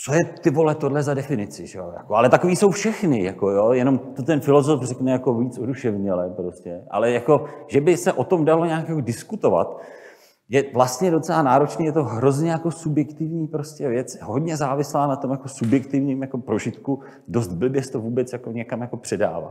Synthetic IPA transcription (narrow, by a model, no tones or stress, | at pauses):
t͡sojɛt̪ɪvo̞lɛt̪odlɛzadɛfɪnɪt͡sɪʒɛoja̰koalɛt̪akoviːso̞wfʃɛxnɪjako̞joːjɛno̞mt̪o̞t̪ɛnfɪlo̞zo̞frɛknɛjako̞viːt͡soduʃɛvɲɛlɛpɾo̞scɛʔa̰lɛjako̞ʒɛbɪsɛʔo̞t̪o̞mdalo̞ɲaːkjakodɪskut̪o̞va̰t̪ | jɛvlast̪ɲɛdo̞t͡sɛlaːnaːɾo̞t͡ʃniːjɛt̪o̞ɦɾo̞zɲɛjako̞subjɛkt̪ɪvɲiːpɾoscɛvjɛt͡sɦo̞dɲɛzaːvɪslaːnat̪omjako̞subjɛkt̪ɪvɲiːmjako̞pɾo̞ʒɪt̪ku | do̞st̪̚bl̩bjɛsɛ̥t̪ovuːbɛt͡sjako̞ɲɛkamjako̞pr̥ɛda̰ːva̰t̪